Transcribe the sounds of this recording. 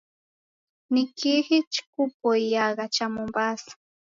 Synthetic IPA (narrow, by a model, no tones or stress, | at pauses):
nɪkixit͡ʃkʊpojjɑɢɑt͡ʃamʊmbas